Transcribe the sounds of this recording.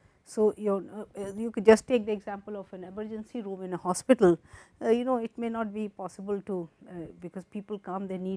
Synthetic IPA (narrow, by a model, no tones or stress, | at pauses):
soːjojukd͡ʒʌsʈʈːeːk̚d̪ieɡzæ̃mpəlɔfɛ̃neməɾd͡ʒə̃nsiɾũːmɪ̃nəhɔspɪʈəl̩junoːɪʈ̚menɔːʈ̚bipɔːsɪbəlʈubɪkɔzpiːpəlkʌ̃md̪eniː